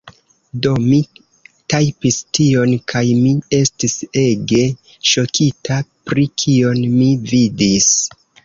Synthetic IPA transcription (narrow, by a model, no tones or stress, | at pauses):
do̞mi | tajpistio̞nkʰajmie̞stise̞ɡe̞ | ʃo̞kʰitapɾikʰio̞nmividis